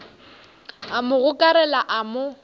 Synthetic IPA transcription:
amʊɣʊkʼaɾɛlaʔamʊ

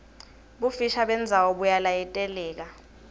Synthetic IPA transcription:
ɓufiʃaɓɛnd͡zʱawɔɓujalajɛtʼɛlɛːk̬a

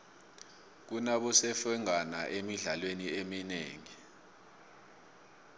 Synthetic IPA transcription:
k̬unaɓɔsɛfɛŋana̰ʔemiɮalweniemineːŋi

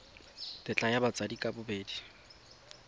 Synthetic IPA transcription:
tʼɪt͡ɬʼajabat͡sʼadikʼabʊbeːdi

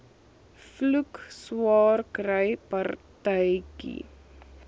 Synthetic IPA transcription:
flukswɑːrkrəjpɐrtəjkḭ

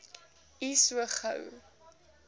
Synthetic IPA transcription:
isuəχə̰w

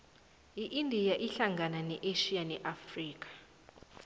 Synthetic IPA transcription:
iʔindʱijaʔiɬaŋɡʱananɛʔeʃijanɛʔafriːk̬ʼḁ

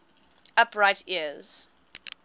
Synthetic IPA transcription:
apʰɹaɪtʰiəz̥

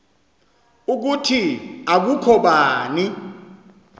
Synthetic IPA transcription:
uk̬utʰiak̬ukʰɔɓaːni

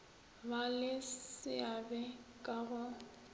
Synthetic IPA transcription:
balɪsɪabɛkʼaɣʊ

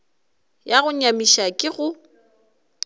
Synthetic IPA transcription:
jaɣʊɲamiʃakʼɪɣʊ

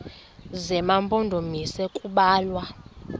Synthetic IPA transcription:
zɛmampʼondʱomisɛkʼuɓaːlwa

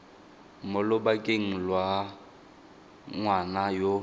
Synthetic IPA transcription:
mʊlʊbakʼeŋ̩lwa | ŋwanajo

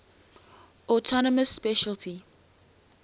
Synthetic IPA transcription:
ɔtʰɔnəməsːpɛʃəltʰi

